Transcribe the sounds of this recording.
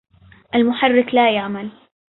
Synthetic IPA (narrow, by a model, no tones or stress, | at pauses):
ʔalmʊħarːɪklajaʕmal